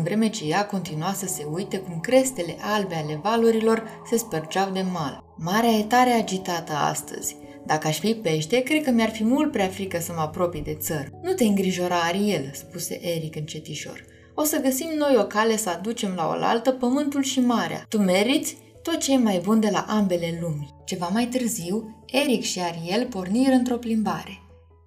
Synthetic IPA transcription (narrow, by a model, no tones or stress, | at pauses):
ɨnvɾe̞me̞t͡ʃe̞jako̞nt̪inuasəse̞ujt̪e̞kumkɾe̞st̪e̞le̞̰ʔalbe̞ale̞valuɾilo̞rse̞spərd͡ʒawd̪e̞mal | maɾeaje̞t̪aɾead͡ʒit̪at̪əa̰st̪ə̰z̥ʲ | d̪akəaʃʲfijpe̞ʃt̪e̞kɾe̞d̪̚kəmiarfimult̪̚pɾeafɾikəsəməapɾo̞pijd̪e̞t̪sərnut̪e̞ɨŋɡɾiʒo̞ɾaːɾje̞lspuse̞̰ʔe̞ɾikɨnt͡ʃe̞t̪iʃo̞̰r | o̞səɡəsimno̞jo̞kale̞səad̪ut͡ʃe̞mlao̞̰la̰lt̪əpəmɨnt̪ulʃimaɾea̰t̪ume̞ɾit̪sʲ | t̪o̞t̪̚t͡ʃejemajbund̪e̞la̰ʔambe̞le̞lumʲt͡ʃe̞vamajt̪ɨrziwe̞ɾikʃiaɾie̞lpo̞rniɾɨnt̪ɾo̞plimbaɾe̞